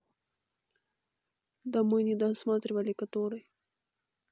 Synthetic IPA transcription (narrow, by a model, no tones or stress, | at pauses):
d̪amujnid̪ɑsmɑt̪ɾiwalikat̪oɾaj